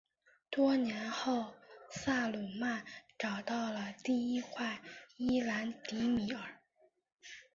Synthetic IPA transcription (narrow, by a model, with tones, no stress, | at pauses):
t̪wɔ˥njɛ˧˥nxo˥˩ʊsa˥˩lu˨˩ma˥˩nʈ͡ʂɑ˨˩ʊt̪ɑ˥˩ʊlə˩t̪i˥˩i˥kʰwa˥˩ɪi˥la˧˥nt̪i˧˥mi˧˩ə˞˨˩˦